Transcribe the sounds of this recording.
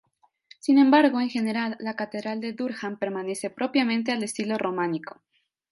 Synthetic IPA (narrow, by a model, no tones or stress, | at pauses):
sinẽ̞mbaɾɣo̞e̞ŋxe̞ne̞ɾalːakat̪eðɾald̪e̞ðuɾxampe̞ɾmane̞se̞pɾʔo̞pjamẽnt̪̬e̞ale̞st̪ilo̞ro̞mãniko̥